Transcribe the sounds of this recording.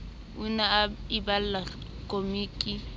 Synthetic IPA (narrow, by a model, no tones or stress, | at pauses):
ʊnaɪbal̩la | kʼomiːkʼi